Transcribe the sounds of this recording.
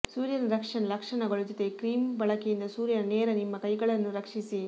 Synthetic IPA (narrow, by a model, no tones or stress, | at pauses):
suːɾjɐɾɐɾɐkʂɐɳɐlɐkʂɐɳɐɡɐɭud͡ʒɔt̪ekɾiːmbɐɭɐkejind̪ɐsuːɾjɐɾɐnɛːɾɐnimːɐkɐjɡɐɭɐnːuɾɐkʂisi